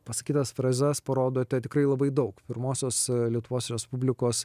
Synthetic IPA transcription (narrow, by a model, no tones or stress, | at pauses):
pɐsɐkʲiːt̪ɐsfɾɐːzʲɛspɐɾoːd̪oːt̪ʲɛt̪ʲɪkɾɐɪlˠɐbɐɪd̪ɐʊkpʲɪɾmoːsʲoːslʲiɛt̪ʊʋoːsɾʲɛspʊbʲlʲɪkoːs